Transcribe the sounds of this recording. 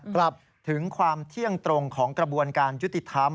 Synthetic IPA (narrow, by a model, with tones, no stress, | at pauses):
kla˨˩p̚ | t̪ʰɯ˩˦ŋkʰwaː˧mt̪ʰi˥˩əŋt̪ɾo˧ŋkʰɔː˩˦ŋkɾa˧bu˧ənkaː˧nju˦˥t̪ːi˨˩t̪ʰa˦˥m